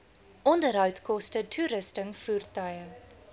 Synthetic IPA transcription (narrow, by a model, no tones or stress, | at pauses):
ʔɔndərɦœwtkɔstətʰuːɾəstəŋfuːrtœjə